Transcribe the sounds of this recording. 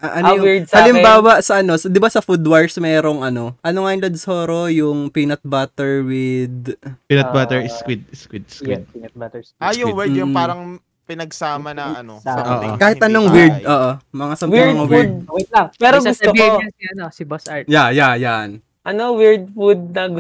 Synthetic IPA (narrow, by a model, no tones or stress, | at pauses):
ʔɐʔɐnwiɹsɐlɪmbaːwɐsɐʔɐno̞sd̪ɪbasɐfud̪wɐɹsmɛːɾo̞ŋɐno̞ʔɐno̞ŋajʊŋlɐd̪soːɾo̞jʊŋpinɐt̪̚bat̪ɛɹwɪd̪̚pinɐt̪̚bat̪ɛɹɪskwid̪̚ɪskwid̪̚skwid̪̚ | ʔajʊwɛjʊpaːɾɐŋ | pɪnɐɡsaːmɐnɐɐnooːʔokaːhɪt̪ʔɐnoŋwɪɹd̪̚ʔoːʔomɐŋasɐmwŋwɪɹd̪pɛːɾoɡʊst̪oɐibɐsjajajan | ʔɐnowɪɹd̪̚fud̪̚nɐɡ